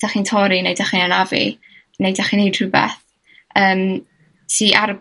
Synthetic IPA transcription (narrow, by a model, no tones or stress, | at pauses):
d̥aχintʰɔɾinejdaχinanavḭ | nejdaχinejd̥rubɛ̰θ | əːm | siʔaɾəb